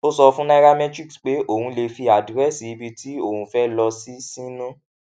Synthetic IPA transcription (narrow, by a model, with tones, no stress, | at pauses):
o˦sɔ˧fũ˦na˦ɾa˦mɛ˦tɾi˦ksk͡pe˨˦ʔo˦˨hũ˧le˧fi˧a˨dɾɛ˦si˨i˦˧bi˧tʰi˨˦o˦˨hũ˨fɛ˦lɔ˧si˦sĩ˦nũ˦